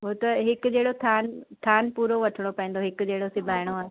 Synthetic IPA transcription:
ɦʊt̪ɐɦɪkʊd͡ʑeːɽot̪ʰaːnt̪ʰaːnpuːɾoʋɐʈʰɪɽ̃opɐĩnd̪oɦɪkʊ̆d͡ʑeːɽosɪbʱaːɪɽ̃oaː

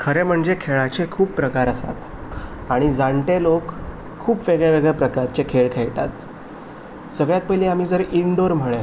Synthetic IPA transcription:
kʰəɾem̤əɳd͡zekʰeɭat͡ɕekʰuːpːɾəkaɾəsa̰t̪ | aɽ̃id͡zaɳʈ̪elokʰː | uːpʋeɡɭeʋeɡɭepɾəkaɾt͡ɕekʰeɭkʰeɭʈa̰t̪ | səɡɭjat̪̚pəɦleam̤iːd͡zəɾiɳɖoɾm̤əɭe

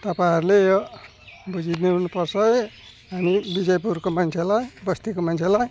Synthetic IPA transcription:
t̪ʌpajɦʌɾulej | bud͡zineɦunupʌrsʰʌj | ɦamibid͡zʌjpuɾkomant͡sʰelajbʌst̪ikomant͡sʰelaj

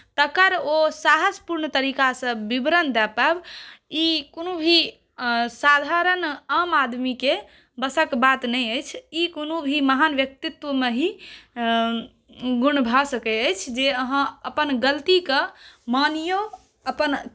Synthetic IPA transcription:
t̪əkəɾosaɦəspuɾnt̪əɾikasə̃bibɾənd̪ɛpɛbikonubʱi | sad̪ʱaɾənamad̪mike | bəsəkbat̪nəjəjt͡ʃʰikonubʱiməɦanʋjək̚t̪it̪wəmeɦi | ɡunbʱasəkɛəjt͡ʃʰd͡ʒeəɦãəpənɡəlt̪ikemanijo | əpən

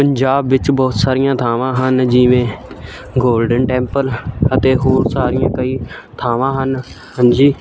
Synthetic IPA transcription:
pəɲd͡ʒaːbʋɪt͡ʃbɔːt̪saːɾɪjãːt̪ʰaːʋãːɦənd͡ʒɪʋẽː | ɡoːlɖənʈɛ̃ːmpələt̪eːɦoːɾsaːɾɪjãːkəiːt̪ʰaːʋãːɦən | hənd͡ʒiː

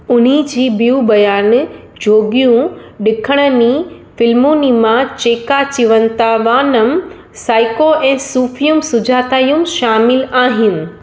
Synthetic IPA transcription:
ʊn̤id͡ʑiːbijubɐjaːn | d͡ʑʱoːɡijũɗɪkʰəɽ̃ə̆niː | fɪlmuːnimãt͡ɕeːkat͡ɕiʋənt̪aʋaːnəm | saːɪkoʔɛ̃ːsuːfijumsʊd͡ʑʱaːt̪aːjumʃaːmɪlaːɦɪnɪ̆

